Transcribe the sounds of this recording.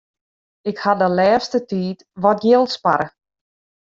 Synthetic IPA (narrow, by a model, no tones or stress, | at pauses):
ɪkhadəlɛːstətiːt | ʋɔtjɪlˠtspaɾə